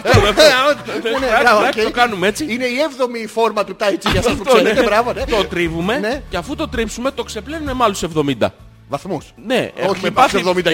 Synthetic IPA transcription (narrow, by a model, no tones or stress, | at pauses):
mefoneɐɐeokɐnumee̞t͡siine̞ievðo̞mifo̞ɾmɐt̪ut̪ɐjt͡ʃiʝɐɐspukseet̪eɾɐvonet̪ot̪ɾivume̞neceɐfut̪o̞t̪ɾipsume̞t̪o̞kse̞plenume̞mɐlosevðo̞mind̪ɐ̰ | vɐθmusne̞oçepɐsevðomind̪ɐ